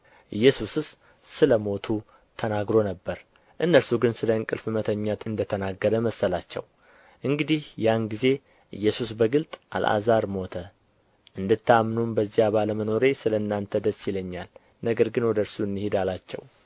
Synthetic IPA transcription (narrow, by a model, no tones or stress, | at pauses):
ʔɨjːɛsusɨs | sɨləmo̞t̪ʰu | t̪ʰənaɡɾo̞nəbːəɾ | ʔɨnːəɾsuɡɨnsɨləɨŋkʼɨlfɨmət̪ʰəɲːat̪ʰɨnd̪ət̪ʰənaɡːəɾəməsəlat͡ʃːɛ̰w | ʔɨŋɡɨd̪ihjanɡize̞ | ʔɨ̰jːɛsusbəɡɨlt̪ʼʔa̰lʔa̰zaɾmo̞t̪ʰə | ʔɨnd̪ɨt̪ːamːnumbəzːijaβaləməno̞ɾe̞sɨləɨnːant̪ʰəd̪əsːjiləɲːal | nəɡəɾɡɨnwɔd̪əɾsuɨnd̪ɨhed̪alat͡ʃːɛ̰w